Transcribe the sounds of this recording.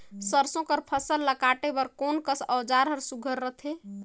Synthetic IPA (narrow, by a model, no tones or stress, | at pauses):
səɾsõkəɾpʰəsəlːəkaʈebəɾkonkəsəwd͡ʒaɾɦəɾsuɡʱəɾːət̪ʰe